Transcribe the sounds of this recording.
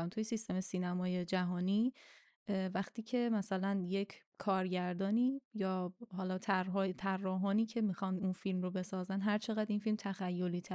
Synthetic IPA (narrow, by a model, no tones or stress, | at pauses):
mt̪ʰujesist̪e̞mesiːnæmɒːje̞d͡ʒæɦɒːniː | væχt̪ʰiːcʰe̞mæsælænje̞cʰkʰɒːɾɟæɾd̪ɒːniːjɒːɦɒːlɒːt̪ʰærɦɒːt̪ʰærːɒːɦɒːniːcʰe̞mixɒnd̪unfilmrobe̞sɒːzænɦæɾt͡ʃʰe̞ɣæd̪infilmt̪ʰæxæjːo̞liːt̪ʰæ